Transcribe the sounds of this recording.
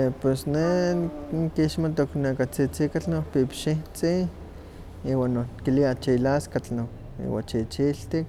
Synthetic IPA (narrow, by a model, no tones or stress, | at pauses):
epwesnenkiʃmat̪oknekat͡sit͡sikat͡ɬnokpipʃit͡si | iːwaːnːokiliat͡ʃilaskat͡ɬnok | ḭwa̰t͡ʃit͡ʃilt̪ik̚